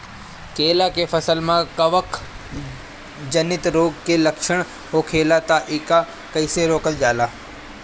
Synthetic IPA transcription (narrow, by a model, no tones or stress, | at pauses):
keːlakefəsəlmãːkɐʋəkʰ | d͡ʒənɪt̪ɾoːɡkelɐkʃəɳ̃ | ɦoːkʰeːlat̪aʔɪka | kəɪseɾoːkəld͡ʒaːlaː